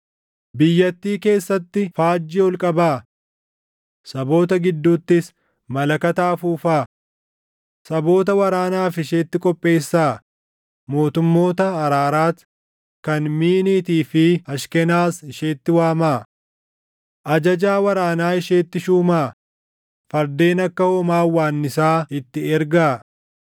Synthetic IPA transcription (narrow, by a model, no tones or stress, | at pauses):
bɪjːɐt̪ːiːke̞ːsːɐt̪ːɪfaːd͡ʒːɪːɔlkʼɐbaː | sɐbo̞ːt̪ɐɡɪd̪ːuːt̪ːɪs | mɐlɐkɐt̪aːfuːfaː | sɐbo̞ːt̪ɐwɐɾaːnaːfɪʃe̞ːt̪ːɪkʼɔpʼːe̞ːsːaː | mo̞ːt̪ʊmːo̞ːt̪ɐːɾaːɾaːt̪ | kɐnmiːniːt̪iːfɪɐʃkɛnaːsɪʃe̞ːt̪ːɪwaːmaː | ʔɐd͡ʒɐd͡ʒaːwɐɾaːnaːɪʃeːt̪ːɪʃuːmaː | fɐɾd̪e̞ːnɐkːɐhɔmaːwːaːnːɪsaːɪt̪ːɪɛɾɡaː